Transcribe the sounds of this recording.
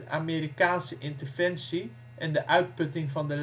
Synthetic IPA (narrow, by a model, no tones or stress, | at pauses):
ʔameːɾikaːnsəʔɪntərvɛnsi | ʔɛndəʔœɥt̚pɵtɪŋfɑndəl